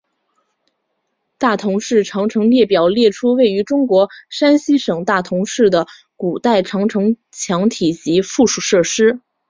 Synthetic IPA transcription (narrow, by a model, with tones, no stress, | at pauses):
t̪a˥˩t̪ʰʊ˧˥ŋʂɻ̩˥˩ʈ͡ʂʰɑ˧˥ŋʈ͡ʂʰɤ˧˥ŋljɛ˥˩pjɑ˨˩ʊljɛ˥˩ʈ͡ʂʰu˥we˥˩ɪy˧˥ʈ͡ʂʊ˥ŋkwɔ˧˥ʂa˥nɕi˥ʂɤ˨˩ŋt̪a˥˩t̪ʰʊ˧˥ŋʂɻ̩˥˩d̪ə˩ | ku˨˩t̪a˥˩ɪʈ͡ʂʰɑ˧˥ŋʈ͡ʂʰɤ˧˥ŋ | t͡ɕʰjɑ˧˥ŋt̪ʰi˨˩t͡ɕi˧˥fu˥˩ʂu˨˩ʂɤ˥˩ʂɻ̩˥